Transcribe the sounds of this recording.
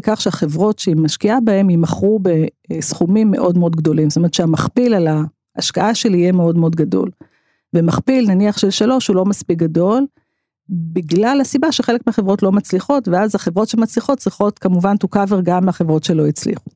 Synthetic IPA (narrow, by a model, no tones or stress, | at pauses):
kaχʃeaχe̞vʁo̞tʃeimaʃkiabae̞mimaχʁube̞ | sχumimːe̞̰ʔo̞dmeo̞dɡdo̞limsotomett͡ʃʃeamaχpilalaː | ʃkaaʃeliːjemeo̞dmeo̞dɡado̞̰l | vemaχpilnaniaχʃelʃalo̞ʃhulo̞maspik̚ɡado̞l | biɡlalhasibaʃeχelekmeaχevʁo̞tlo̞mat͡sliχo̞tveazaχevʁo̞tʃemat͡sliχo̞t̚t͡sʁiχo̞tkamuvantukaveʁɡamːeaχevʁo̞tʃe̞lo̞it͡slḭχu